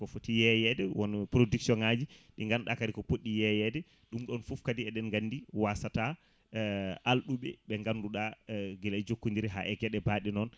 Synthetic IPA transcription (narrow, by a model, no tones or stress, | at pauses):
kɔfotijɛjɛdɛwɔnpɾodiksiɔnad͡ʒiɗiŋɡanɗakaɾikɔpoɗːijɛjɛdɛ | ɗumɗɔnfufkadiɛɗɛnŋɡanːdiwasata | ʔalɗuɓɛ̰ɓɛŋɡanduɗaɡɛlɛjd͡ʒokːundiɾiɦa̰ʔɛɡɛɗɛbaɗinɔn